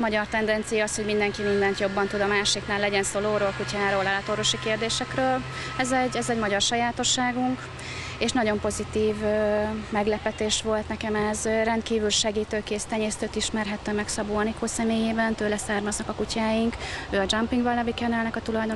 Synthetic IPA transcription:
mɒɟɒrt̪ɛnd̪ɛnt̪sijɒɒsho̞ɟmind̪ɛŋkimind̪ɛnt̪jo̞bːɒnt̪ud̪ɒmaːʃiknaːlːɛɟɛnsoːloːɾoːlkucaːɾoːlalɒt̪oːɾvo̞ʃikeːrd̪eːʃɛkrøːl | ɛzɛɟɛzɛɟmɒɟɒrʃɒjaːt̪o̞ʃːaːɡuŋk | eːʃnɒɟo̞mpo̞zit̪iːvmɛɡlɛpɛt̪eːʃʋo̞lt̪nɛkɛmɛzrɛnt̪kiːvylʃɛɡiːt̪øːkeːst̪ɛɲeːst̪øːt̪iʃmɛrɦɛt̪ːømɛksɒbuɒnikʰoːsɛmeːjeːbɛnt̪øːlɛsaːrmɒznɒkɒkucaːjiŋkøːɒd͡ʒɒmpiŋɡvɒlːɒvikɛnɛlnɛkɒt̪ulɒjd̪o

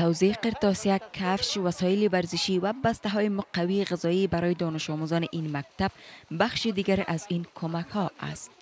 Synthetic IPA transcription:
t̪awzeqɪɾt̪ɒsiakʰafʃwasɔɪlivaɾzɪʃiwabast̪aɦɔjɪmʊqawiːɣɪzɔibaɾɔjed̪ɔnɪʃɔmuzɒnɪʔinmak̚t̪ab̥̚baxʃid̪iɡaɾʔazinkʰomakhɔʔa̰st̪

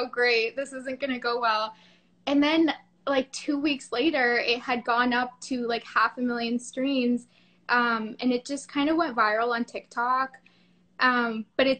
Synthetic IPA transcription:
oʊɡɹeɪt̚ðɪsɪzɨ̃nɡ̥ʌñɨɡoʊwɛlˠ | ɨ̃nðɨ̃n | laɪk̚tʰʉwiksleɪɾə˞ɪt̚hɨd̚ɡɔ̃nʌp̚tʰɨlaɪkhæfɨmɪlˠjɨ̃nstɹ̥ĩnz | ʔʌ̃mɨ̃nɨt̚d̥ʒ̥ʌskʰãɪ̃ndəwɛ̃ntvaɪɹl̩ˠə̃ntʰɪk̚tʰɑk | ʔʌ̃mb̥ʌɾɨt

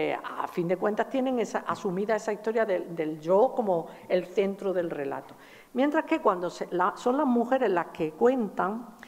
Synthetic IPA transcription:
afind̪e̞kwe̞nt̪ast̪je̞nẽ̞ŋesaʔasumiðae̞saist̪o̞ɾjaðed̪e̞ld͡ʒo̞ko̞moelθe̞nt̪ɾoðe̞lre̞la̰t̪o | mje̞nt̪ɾahke̞kwand̪o̞selaso̞nlazmuxe̞ɾe̞zlaske̞kwe̞nt̪aŋ

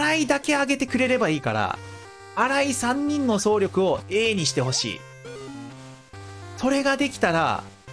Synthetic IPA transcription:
ɾaid̪ake̞aɡe̞t̪e̞kɯ̟ɾe̞ɾe̞baiːkaɾa̰ | aɾaisãɲ̟ːĩnːo̞so̞ːɾʲo̞kɯ̟o̞e̞ːɲ̟iɕi̥t̪e̞ɦo̞ɕḭː | so̞ɾe̞ɡad̪e̞kʲi̥t̪aɾa̰

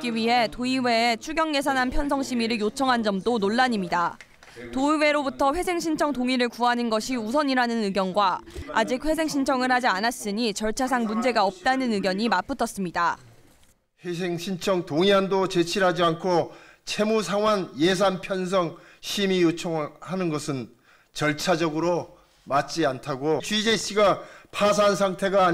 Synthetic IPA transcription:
k͈iɥiɦe̞toiwe̞ːt͡ɕʰuɡjʌŋje̞s̬ʰanɦanpʰjʌns̬ʰʌŋɕʰimiɾɯɭjot͡ɕʰʌŋɦand͡ʑʌmdonoɭːaɲimɲida | toiwe̞ɾobutʰʌɸwe̞sʰeŋɕʰint͡ɕʰʌŋtoŋiɾɯɭkuɦanɯnɡʌɕʰius̬ʰʌɲiɾanɯnɯɡjʌnɡwaad͡ʑik̚ɸwe̞s̬ʰe̞ŋɕʰint͡ɕʰʌŋɯɭhad͡ʑianas͈ɯɲit͡ɕʌɭt͡ɕʰas̬ʰaŋmund͡ʑe̞ɡaʌp̚t͈anɯnɯɡjʌɲimap͈ɯtʰʌs͈ɯmɲida | ɸwe̞sʰeŋɕʰint͡ɕʰʌŋtoŋiandot͡ɕe̞t͡ɕʰiɾɦad͡ʑiankʰo | t͡ɕʰe̞musʰaŋwanjes̬ʰanpʰjʌns̬ʰʌŋ | ɕʰimijot͡ɕʰʌŋɯɭhanɯnɡʌsʰɯn | t͡ɕʌɭt͡ɕʰad͡ʑʌɡɯɾo | mat͡ɕ͈iantʰaɡot͡ɕɥid͡ʑeɕ͈ʰiɡapʰas̬ʰansʰaŋtʰe̞ɡaː

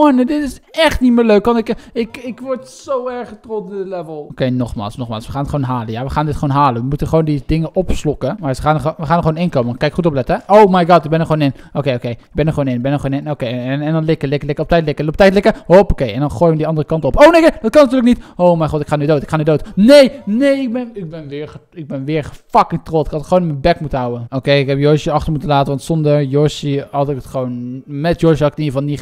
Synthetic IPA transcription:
ɔndɪtɪsɛχtnitmɪːløɥkʋɑntɪkɪkɪkʋɔɹtsowɛɹχətrɔtdəlɛvəlˠokejnɔχma̰ːlˠsnɔχmaːlˠsʋəχaːnɪtχʋownɦaːləjaʋəχaːndɪtχəʋonɦaːlənʋəmutənχəʋowndidɪŋəʔɔpslɔkəmasəaːnonʋəχaːnəχəʋoːnɪnkoːmənkɑnɪkχutɔplɛtəɛowmajɡɑːtɪɡ̚bɛnəχəoːnɪn | okejokejɪɡ̚bɛnərχʋoːnɪnɪɡbɛnəχonɪnokejnɛndɔnlɪkəlɪkəlɪkəɔptɛjtlɪkəoptɛjtlɪkəɦopokejɛndɑnχoːjmədiɑndərəkɑntɔpownejked̥ɑt̚kɑnatyːɹləknitowmɛjχɔtɪkχaːnydowtɪkχaːnydowtnejnejɪk̚bɛnɪɡ̚bɛnʋɪːɹəɪɡ̚bɛnʋɪːɹχəfɑkɪŋtrɔlˠtɪ̥kɑtəχʋownɪmənbɛkmutəɦawənokejɪkɦɛpjɔɹsəɑχtəɹmutənlaːtənʋɑntsɔndəɹjɔɹʃihɑtɪkətχəʋownmɛtjɔɹʃɦɑtɪkətəniɹvɑlˠni

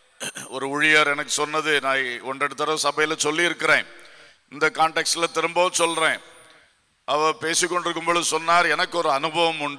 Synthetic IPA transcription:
ɔɾɯʊɻɪjaːɾɛnɐk̬ːɯ̥sɔnːɐðɯnãːɔɳdrɛɽɯt̪ːɐɾɐsɐbɐjɪlɐsɔlːiɪɾɯkːɪɾẽː | ɪnd̪ɐkaːɳʈɛksʈɪlɐt̪ɪɾɯmbɐːʋsɔlɾẽː | ʔɐʋɐ̃peːsikːɔɳɖɪɾɯkːɯmboːðɯsɔnːaːɾɛnɐkːɯɔɾɯɐnɯbɐʋɐmʊɳɖ

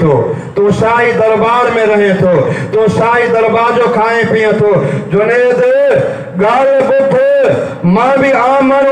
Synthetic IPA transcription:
t̪ʰoː | t̪oːsaːɦid̪ɐɾbaːɾmẽɾɐɦẽt̪ʰoːt̪oːsaːɦid̪ɐɾbaːɾd͡ʑoːkʰaːẽpiːẽt̪ʰoːd͡ʑʊnẽd̪ɐ | ɠaːɾbʊd̪ʱʊ | mãːbiaːməl

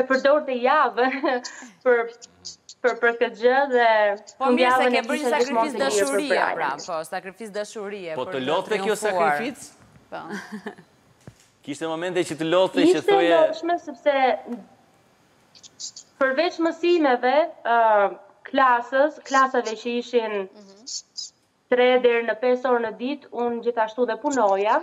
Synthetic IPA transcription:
ɛpəɾd̪ɔɾt̪ɛjavɛ | pəɾ | pəɾpəɾkət̪̚d͡ʑəðɛpənd̪jalˠənɛkiʃʃakmɔ̃nsɛiɛɾpəɾpɾa̰jɾ̰ɔsakɾifisd̪aʃuɾiɛpɔt̪əlɔt̪ɛkjɔsakifit͡s | kiʃt̪ɛmɔmɛnt̪ɛt͡ʃət̪əlɔt̪ɛiʃt̪ɛɛd̪ɔʃmɛsɛpsɛ | pəɾvɛt͡ʃməsimɛvɛ | klasəsklasavɛt͡ɕəiʃin | t̪ɾɛd̪ɛɾnəpɛsɔɾnəd̪it̪und͡ʑiθaʃt̪uðɛpunɔja

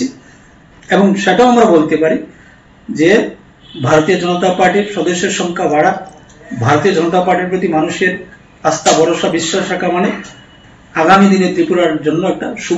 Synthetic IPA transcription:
i | eboŋʃeʈaamɾabolt̪epaɾi | d͡ʑe | bʱaɾot̪iod͡ʒɔnot̪apaɾʈiɾʃɔd̪eʃːeɾʃɔŋkʰabaɽa | bʱaɾot̪iod͡ʒɔnot̪apaɾʈiɾpɾot̪imanuʃeɾ | ast̪abɔɾoʃabiʃːoʃakamane | aɡamid̪inet̪ɾipuɾaɾd͡ʑonːoɛk̚ʈaʃu

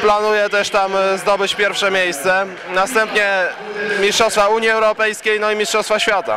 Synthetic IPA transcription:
planujɛt̪ɛʂt̪amzd̪ɔbɘt͡ɕpʲjɛɾfʂɛmʲjejst̪sɛ | nast̪ɛmpɲɛ | mʲiʂtʂɔst̪fauɲiɛwɾɔpɛjskʲejnɔimʲiʂtʂɔst̪faɕfʲjat̪a̰

